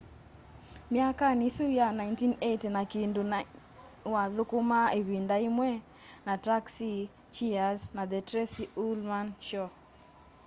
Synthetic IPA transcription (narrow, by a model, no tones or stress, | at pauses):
mjakanisujanaintinetenakindon | waðʊkʊmaeβindaimwɛ | nataksi | t͡ʃiaznaðɛtɾɛsiulmanʃɔ